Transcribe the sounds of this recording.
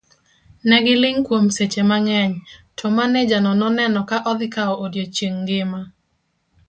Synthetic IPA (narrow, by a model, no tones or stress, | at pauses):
nɛɡɪlɪŋkwomset͡ʃemaŋɛɲtʰɔmaned͡ʒanɔnɔnɛnɔkaʔɔd̪ɪkaɔʔodjot͡ʃiŋɡɪma